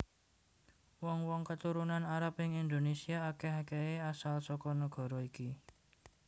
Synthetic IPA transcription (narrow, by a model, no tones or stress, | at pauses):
wɔŋwɔŋkət̪uɾunanaɾapɪŋind̪onesiaːkeɦakeeasalsɔkɔnəɡ̥ɔ̤ɾɔiki